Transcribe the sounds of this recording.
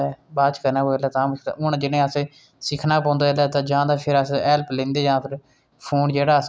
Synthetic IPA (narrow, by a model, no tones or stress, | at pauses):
ɛbaːd͡ʒkəɾnaːoelːɛːt̪ãːməa̰ʔʊnd͡ʒɪnẽːəsẽː | sɪkʰnaːpɔ̃ːnd̪aːɪlɛːt̪ãːd͡ʒãːd̪aːpʰɪɾəsɛːlplẽːnd̪eːd͡ʒãːpʰɪɾ | pʰoːnd͡ʒeːɽaːə